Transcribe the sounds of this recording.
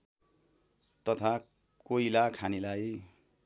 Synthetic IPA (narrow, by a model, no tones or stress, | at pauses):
t̪ʌt̪ʰa | koilakʰanilaj